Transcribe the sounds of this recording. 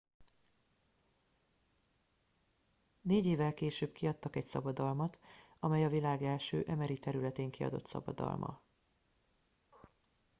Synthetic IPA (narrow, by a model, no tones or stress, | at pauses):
neːɟeːvɛlkeːʃøːbkiɒt̪ːɒkɛcsɒ̰bɒd̪ɒlmɒt̪ɒmɛjɒvilaːɡɛlʃøːʔɛmɛɾit̪ɛɾylɛt̪eːŋkiɒ̰d̪o̞̰t̪sɒ̰bɒ̰d̪ɒ̰lmʔɒ̰